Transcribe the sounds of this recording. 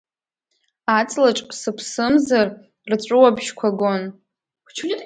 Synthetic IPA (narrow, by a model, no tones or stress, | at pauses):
at͡sʼlaʈ͡ʂʼsɨpʰsɨmzar | rt͡ɕʷʼɨwabʒkʷʰaɡon | t͡ʃʰ